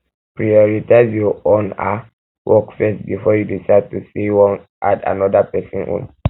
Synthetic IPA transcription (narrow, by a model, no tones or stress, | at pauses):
pɹiɔɹitaɪzjɔɔ̃na | wʔɔkfɛstbifɔjudisaɪd̚tusewɔ̃n | ʔada̰nɔdapɛsɔ̃nõ̰n